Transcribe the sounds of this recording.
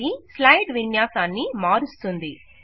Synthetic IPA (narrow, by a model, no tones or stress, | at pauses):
islɐjʈʋinjaːsaːnːimaːɾust̪und̪i